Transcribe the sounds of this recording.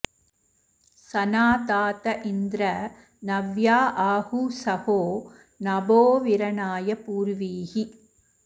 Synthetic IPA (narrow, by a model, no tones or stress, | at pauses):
sɐnaːt̪aːt̪ɐʔɪnd̪ɾɐ | nɐʋjaːʔaːhusɐhoː | nɐboːʋɪɾɐnaːjɐpuːɾʋiːhi